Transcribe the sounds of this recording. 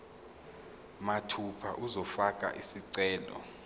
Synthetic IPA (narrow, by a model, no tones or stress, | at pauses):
matʰupʰaʔuzɔfakʼa̰ʔisiǀɛːlɔ̰